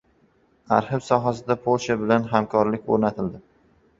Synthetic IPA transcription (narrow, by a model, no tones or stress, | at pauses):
a̰ɾhɪbsɒɦasɪd̪apʰolˠʃabɪlanɦamkʰɒɾlɪkʲo̰ɾnat̪ʰɪld̪ɪ